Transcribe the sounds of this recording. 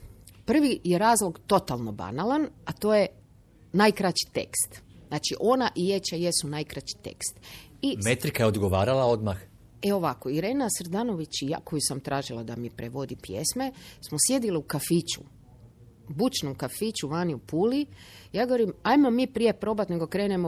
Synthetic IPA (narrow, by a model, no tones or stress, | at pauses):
pr̩ʋije̞ɾaːzlˠoɡt̪o̞t̪alˠno̞ba̰nalanat̪o̞ːje | najkɾat͡ʃi̥t̪e̞̰kst̪naːt͡ʃiʔo̞naʔijet͡ʃajesunajkɾat͡ɕi̥t̪ḛkst̪ | imet̪ɾikajeo̞d̪ɡo̞ʋaːɾalao̞d̪max | eo̞ʋakoiɾe̞ːnasɾd̪ano̞ʋit͡ɕja̰kojusamt̪ɾaːʒilˠad̪a̰miepɾeʋo̞d̪ipjḛsme̞smosje̞d̪iliukafit͡ʃṵ | but͡ʃnomkafit͡ʃuʋaːniupuːlijaːɡo̞ʋoɾimajmomipɾije̞pɾo̞bat̪ne̞ɡo̞kɾeːnemo